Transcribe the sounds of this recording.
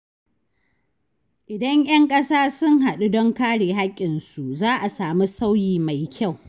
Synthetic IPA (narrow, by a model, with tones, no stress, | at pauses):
ʔɪ˨dɐ˦ŋj̰ɐ˦ŋkʼɐ˦saː˦sʊ˦ŋɦa˨ɗu˦dɔ˦ŋkaː˦ɽeː˨ɦa˦kʲʼːɪ˨nsu˨zaː˦ʔa˨saː˨mi˦sa˦wjiː˨ma˨jkʲʰa˦˨w